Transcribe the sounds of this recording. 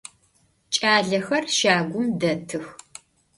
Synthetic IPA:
t͡ʃʼaːɮɐxɐrʃaːɡʷʊmdɐtʰɨx

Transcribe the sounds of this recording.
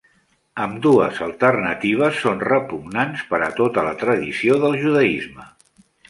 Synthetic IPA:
əmd̪uəzəlˠt̪ərnət̪iβ̞əsːonrəpuɡnanspəɾət̪ot̪ələt̪ɾəðisioðəlˠʒuðəizmə

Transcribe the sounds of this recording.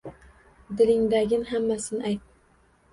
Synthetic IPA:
d̪ɪlɪŋd̪aɡʲɪnɦamːasɪnʔajt̪̚

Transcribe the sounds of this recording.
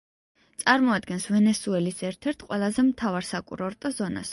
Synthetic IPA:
t̪sʼaɾmɔad̪ɡɛnsvɛnɛsuɛlisɛɾt̪ʰɛɾt̪ʰqʼwɛlˠazɛmt̪ʰavaɾsakʼṵɾɔɾt̪ʼɔzɔna̰s

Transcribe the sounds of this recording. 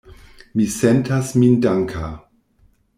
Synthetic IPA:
misentasmindaŋkʰa

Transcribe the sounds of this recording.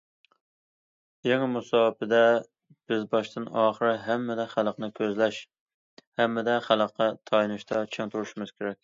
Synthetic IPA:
jɛŋɪmusɑːbpɪd̪ɛ | b̥ɪzbɑʃt̪ɨnɑːχəɾɨɦæmːɪd̪ɛχælˠqnɨkʲʰøzlɛʃ | hɛmːɪd̪ɛχælˠəqʰːɑt̪ʰɑjnɨʃt̪ʰɑt͡ʃʰɛŋt̪ʰuɾuʃmɨz̥kʲʰeɾɛk̚ʲ

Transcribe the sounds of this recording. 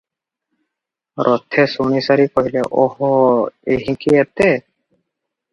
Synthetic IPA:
ɾʔɔt̪ʰɛsuɽ̃isaɾikɔɦilɛʔɔhɔeɦĩkiɛt̪e

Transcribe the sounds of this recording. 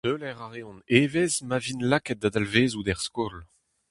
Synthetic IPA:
tøːlɛʁaʁeɔ̃neːvezmavinlakɛt̪̚d̪ad̪alveːzud̪ɛʁskol

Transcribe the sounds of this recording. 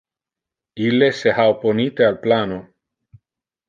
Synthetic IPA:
ilːesehawponit̪ealplano

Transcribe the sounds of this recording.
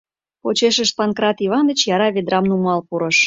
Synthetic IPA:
ot͡ɕeʃəʃpɑnkɾɑt̪iβɑnd̪ət͡ɕjɑɾɑβed̪ɾɑmnumɑlpuɾə̆ʃ

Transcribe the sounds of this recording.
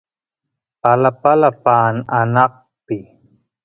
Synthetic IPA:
palapalapaːnanɑq̚ | pɪ

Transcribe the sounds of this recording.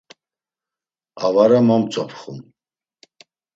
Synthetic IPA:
avaɾamamt͡sʼɔpʰχṵm

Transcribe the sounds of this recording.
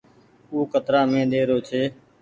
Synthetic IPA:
uːkət̪ɾaːmẽːɗ̪eːɾoːt͡ʃʰeː

